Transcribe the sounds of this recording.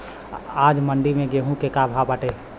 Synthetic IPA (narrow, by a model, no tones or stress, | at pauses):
aːd͡ʒməɳɖimẽɡeɦũkekabʱabaːʈe